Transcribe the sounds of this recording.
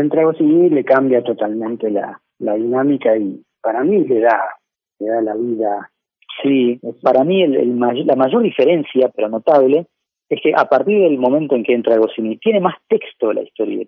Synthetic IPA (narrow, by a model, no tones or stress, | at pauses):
ent̪ɾaɣosinile̞kambjat̪o̞t̪almẽnt̪ela̰ | laðinamikai | paɾamileða | leðalaβiða | sipaɾamielḛlmaʒolamaʒo̞ɾðife̞ɾe̞nsjapeɾo̞no̞t̪aβle̞ | eskeʔapaɾt̪iɾðelmõ̞mẽnt̪o̞e̞ŋkeent̪ɾaɣosinit̪je̞ne̞mast̪e̞kst̪olʔa̰ist̪oɾja̰